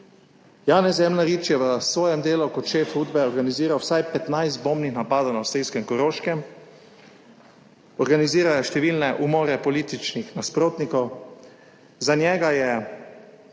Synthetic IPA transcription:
jaːnɛzɛmnaɾiːt͡ʃjɛʋəsʋɔːjɛmd̪eːlukɔt̪ʃeːfuːd̪̚bɛɔɾɡaniziːɾawsajpɛt̪najst̪̚boːmnixnapaːd̪awnaʊseːjskɛmkɔɾoːʃkɛm | ɔɾɡaniziːɾajaʃt̪ɛʋiːlnɛʔumɔːɾɛpɔliːt̪it͡ʃnixnaspɾoːt̪nikɔw | zanjɛːɡajɛ

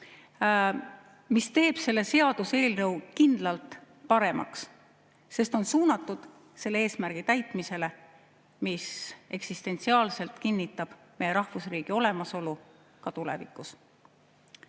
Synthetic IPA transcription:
mist̪e̞ːb̥se̞lːe̞se̞ɑd̪use̞ːlrɤwkind̪̥lɑlt̪ˑ | pɑɾe̞mʔɑ̰ks | se̞st̪o̞nsuːnɑt̪ːˑud̪̥ | se̞lːee̞ːsmærɡ̥it̪æjt̪ˑmise̞le̞ | mise̞ksist̪e̞nt̪siɑːlse̞lt̪kinʲːit̪ːˑɑb̥mejeɾɑhvusriːɡ̥io̞le̞mɑso̞lu | kɑt̪ule̞̰vḭkːˑus

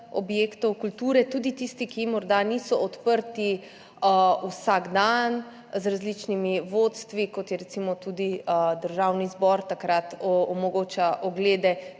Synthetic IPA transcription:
ɔ̰bjeːkt̪ɔwkult̪uːɾɛt̪uːd̪it̪ist̪ikimɔɾd̪aniːsɔɔt̪pəɾt̪i | əusaɡd̪an | zɾazlit͡ʃnimiʋot̪st̪ʋikɔt̪jɛɾɛt̪simɔt̪uːd̪id̪əɾʒawnizbɔɾt̪akɾat̪ɔmɔɡoːt͡ʃaʔɔɡleːd̪ɛ

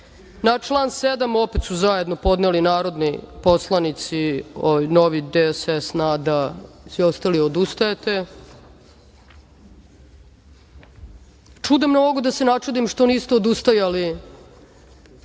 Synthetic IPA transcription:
nat͡ʃlˠaːnsed̪amo̞pet̪suzaje̞d̪no̞po̞d̪nelinaːɾo̞d̪nipo̞slˠanit̪siono̞ʋid̪esesnaːd̪asio̞st̪aliod̪ust̪ajet̪e̞ | t͡ʂud̪emnoɡod̪asenat͡ʃud̪imʃt̪o̞nist̪ood̪ust̪ajali

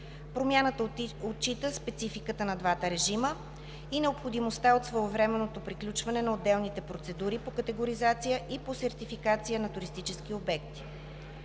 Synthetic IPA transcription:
pɾomjanət̪əott͡ʃit̪əspɛt̪sifikət̪ənɐd̪vat̪əɾɛʒimə | inɛopxod̪imost̪aot̪svəovɾɛmɛnːot̪opɾiklʲut͡ʃvɐnɛnɐod̪ːɛlˠnit̪ɛpɾot̪sɛd̪uɾipokət̪ɛɡoɾizat̪sijəʔiposɛɾt̪ifikat̪sijənɐt̪uɾist̪it͡ʃɛsk̟iobɛk̚t̪i̥

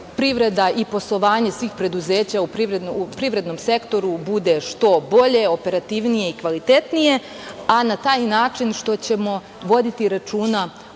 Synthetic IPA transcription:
pɾiʋɾe̞d̪aipo̞slˠo̞ʋaːɲe̞sʋiːxpɾe̞d̪uze̞ːt͡ɕaupɾiʋɾenupɾiʋɾe̞d̪no̞mse̞kt̪o̞ɾubud̪e̞ʃt̪o̞bo̞ʎe̞o̞pe̞ɾat̪iʋnije̞ikʋalit̪e̞t̪nije̞ | anat̪aːjnaːt͡ʃinʃt̪o̞t͡ɕe̞mo̞ | ʋo̞d̪it̪iɾat͡ʃuːna

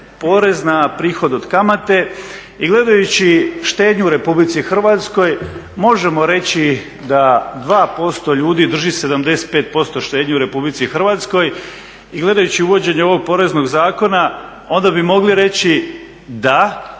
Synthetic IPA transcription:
po̞ːɾe̞znapɾiːxo̞d̪od̪̥kamat̪e̞ | iɡle̞d̪ajut͡ɕiʃt̪e̞ːd̪ɲuuɾe̞publit̪sixr̩ʋat̪sko̞j | mo̞ʒe̞mo̞ɾe̞t͡ɕi | d̪ad̪ʋaːpo̞st̪o̞ʎuːd̪id̪r̩ʒise̞d̪amd̪e̞set̪pe̞ːt̪̚po̞st̪o̞ʃt̪eːd̪ɲeuɾe̞publit̪sixr̩ʋat̪sko̞j | iɡle̞d̪ajut͡ɕiuʋo̞d͡ʑe̞ɲeoʋo̞ɡ̚po̞ɾe̞zno̞ɡzaːko̞na | o̞nd̪abimo̞ɡliɾe̞t͡ɕi | d̪a

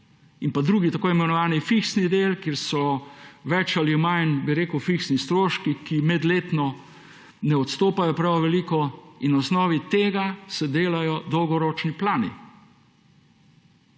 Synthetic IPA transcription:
inpad̪ɾuːɡit̪akoːimɛnɔʋaːnifiksnid̪elkjeːɾsɔʋɛt͡ʃalimajnbiɾeːkəwfiksnist̪ɾoːʃkikimɛd̪leːt̪nɔ | nɛɔt̪st̪oːpajɔpɾawʋɛliːkɔinɔsnɔːʋit̪eːɡasɛd̪eːlajɔd̪ɔwɡɔɾɔt͡ʃniplaːnḭ

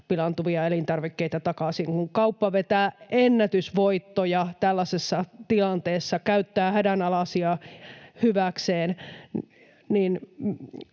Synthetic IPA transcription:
pilɑnt̪uʋiɑelint̪ɑrʋikːeit̪æt̪ɑkɑsiŋkuŋkɑupːɑʋet̪æːenːæt̪ysʋoit̪ːojɑt̪ælːæsesːɑt̪ilɑnt̪eːsːɑkæyt̪ːæːhædænɑlɑsiɑhyʋækseːn | niːn

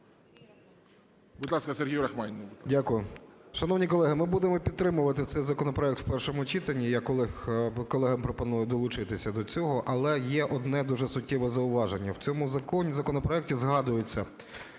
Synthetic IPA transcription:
bud̪lˠɑskɐserɦʲijʊɾɐxmɛnʲnbdʲakʊjʊʃɐnɔwnʲikɔlˠɛɦɪmɪbud̪emɔpʲid̪t̪ːɾɪmʊʋɐt̪ɪt̪sɛjzɐkɔnɔpɾɔɛk̚t̪wpɛrʃɔmʊt͡ʃit̪ɐnʲːijaklˠɪkɔlˠɛɦɐmpɾɔpɔnujʊd̪ɔlˠʊt͡ʃɪt̪ɪsʲɐd̪ɔt͡sʲɔɦɔʔɐlˠɛjɛʔɔd̪nɛd̪uʒɛsʊtʲːɛʋɛzɐʊʋɑʒenʲːɐwt͡sʲɔmʊzɐkɔnʲizɐkɔnɔpɾɔɛk̚tʲizɦɑd̪ʊjʊt͡sʲːɐ

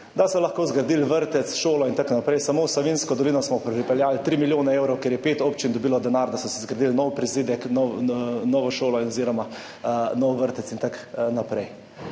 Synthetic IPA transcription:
d̪asɔlaxkoːzɡɾd̪ilʋəɾt̪ɛt̪sʃoːlɔint̪aknapɾɛjsamoːwsaʋinskɔd̪ɔlinɔsmɔpɾɛpɾipɛljaːlt̪ɾimiljoːnɛewɾɔwkeɾjɛpeːt̪ɔpt͡ʃind̪ɔbiːlɔd̪ɛnaɾd̪asɔsɛzɡɾad̪ilnɔwpɾizid̪ɛknɔnɔʋɔʃoːlɔinɔziːɾɔma | nɔwʋəɾt̪ɛtt͡s̪int̪aknapɾɛj

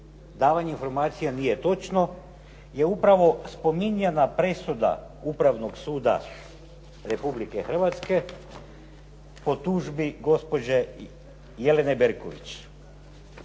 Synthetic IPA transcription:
d̪aːʋaɲeinfo̞ɾmaːt̪sijanijet̪o̞t͡ʃno̞ | je̞upɾaʋo̞spo̞miɲenapɾe̞sud̪a̰ | upɾaʋno̞ɡsuːd̪a̰ | ɾe̞publikexr̩ʋat̪ske̞ | po̞t̪uʒbiɡo̞spo̞d͡ʑe | jele̞nebeɾko̰ʋḭt͡ɕ

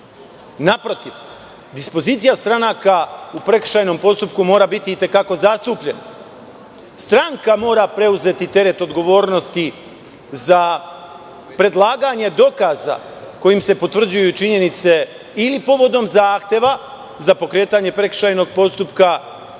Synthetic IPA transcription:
napɾo̞t̪iʋ | d̪ispo̞ziːt̪sijast̪ɾanakaupɾe̞k̩ʃajno̞mpo̞st̪upkumo̞ːɾabit̪iːt̪e̞kako̞zast̪uːpʎena | st̪ɾaŋkamo̞ːɾapɾe̞uze̞t̪it̪e̞ɾe̞t̪o̞d̪ɡo̞ʋo̞ːɾno̞st̪i | za | pɾe̞d̪lˠaːɡaɲe̞d̪o̞kaːza̰ko̞jimse̞po̞t̪ʋr̩d͡ʑujut͡ʃiɲe̞nit̪se̞ | ilipo̞ʋo̞d̪o̞mzaːxt̪je̞ʋa | zapo̞kɾe̞ːt̪aɲe̞pɾe̞kr̥ʃajno̞ɡ̚po̞st̪upka

